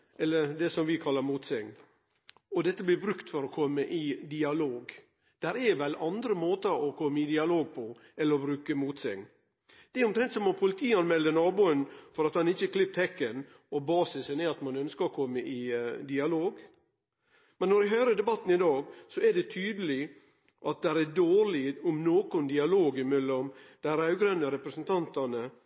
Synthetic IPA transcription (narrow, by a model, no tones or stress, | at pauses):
ɛlːəd̪ɛsɔmʋɪkʰɑlːəɾmuːt̪sɛŋn | ɔd̪ɛt̪ːəblɪɾbɾʉkt̪fɔɾɔkʰɔmːəʔɪd̪ɪɑloːɡ | d̪̥æɾɛʋɛlɑnd̪ɾəmoːt̪əɔkʰɔmːəɪd̪ɪɑloːɡ̚pʰɔ | ɛlːəɾɔbɾʉːkəmuːt̪sɛŋn | d̪̥ɛʊmt̪ɾɛnt̪sɔmɔpʰʊlɪt̪ʰiːɑnmɛlːənɑːbuːənfɔɾɑt̪hɑnɪçːəkʰlɪp̚t̪hɛkːən | ɔbɑːsɪsənɛɑt̪mɑnœnskəɔkʰɔmːəʔɪd̪ɪɑloːɡ | mɛnːɔɾɛɦœʏɾəɖ̪ɛbɑt̪ːn̩ɪd̪ɑːɡsɔæɖɛt̪ʰyːd̪əlɪ | ʔɑt̪̚d̪æɾædoːɾɭɪʊmnoːkʊnd̪ɪɑloːɡɪmɛlːɔmd̪̥ɛhæɾɑʉɡɾɛnːəɾɛpɾəsənt̪ʰɑnt̪ɑnə